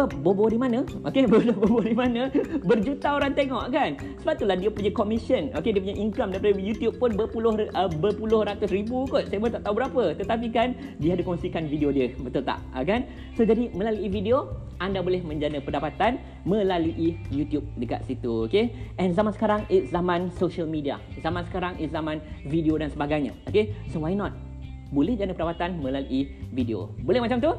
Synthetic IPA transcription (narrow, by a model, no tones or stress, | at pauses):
bobodimãnə̃okebodbobodimãnə̃bərd͡ʒut̪aoɾant̪eŋɔʔkan | səbat̪ulahdiəpuɲakomisənokediəpuɲajʔiŋkɾamdaijpadəjut̪jup̚pʊnbəpulʊhəbəpulʊrat̪ʊsɾibukʊt̪̚sajəmot̪aʔ̚t̪aũbəɾapət̪ət̪ap̬ikan | diəadəkɔŋsikanvidiodiəbət̪ult̪a̰ʔə̰kan | sod͡ʒadimə̃laluividio | ʔandabolɛhmə̃ɲd͡ʒanəpədapat̪an | mə̃laluʔijut̪jup̚dəka̰t̪̚sit̪uokeʔɛ̃nzamansə̥kaɾaŋit̪̚zamãnsoʃəlmĩdia̰zamãnsə̥kaɾaŋʔit̪̚zamãnvidiodansəbaɡajɲa̰okesowajnɔt̪̚ | bolɛhd͡ʒanəpəndapat̪anmə̃laluʔivideo̰bolɛhmat͡ʃamt̪u